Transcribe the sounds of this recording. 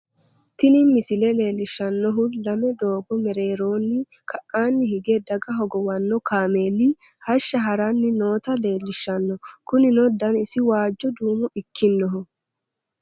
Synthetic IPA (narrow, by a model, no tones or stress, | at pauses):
t̪ɪnɪmɪsɪlɛle̞ːlːɪʃːɐnːɔɦʊlɐmɛd̪o̞ːbɔmɛɾe̞ːɾo̞ːnːɪ | kʰɐʔːaːnːɪhɪɡɛd̪ɐɡɐɦɔɡɔwɐnːɔkʰaːme̞ːli | hɐʃːɐɦɐɾɐnːɪno̞ːt̪ɐle̞ːlːɪʃːɐnːɔkʊnɪnɔd̪ɐnɪsɪwaːd͡ʒːɔd̪uːmɔʔɪkːɪnːɔɦʊ